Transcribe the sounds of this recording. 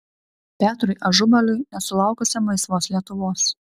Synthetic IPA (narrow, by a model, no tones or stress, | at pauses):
pʲæːt̪ɾʊɪʔɐʒʊmɐlʲʊɪnʲɛsʊlˠɑˑʊkʊsʲɛmɐɪsʋoːslʲiɛt̪ʊʋoːs